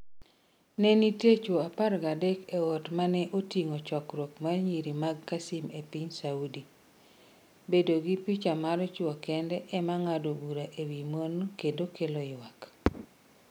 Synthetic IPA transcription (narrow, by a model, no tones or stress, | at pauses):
nɛnitet͡ʃoapaɾɡadɛkɛwɔtmanɛʔotiŋot͡ʃɔkɾokmaɲiɾimaɡkasimepiɲsaudi | bedoɡipit͡ʃamaɾɔt͡ʃwɔkɛndɛʔɛmaŋadobuɾaʔewimonkedokeloɪwak